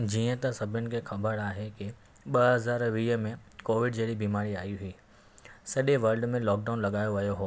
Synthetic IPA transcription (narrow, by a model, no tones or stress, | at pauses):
d͡ʑiːə̃t̪ɐsɐbʱʊnɪ̆kʰeːxɐbəɾaːɦekɪ | ɓɐɦɐzaːɾʋiːɦə̆mẽkoːʋɪɖd͡ʑeːɽibiːmaːɾiaːjiuɦiː | sɐɗeʋɐɾɖmẽlɔːk̚ɖaːʊnlɐɠaːjoʋɐjoɦoː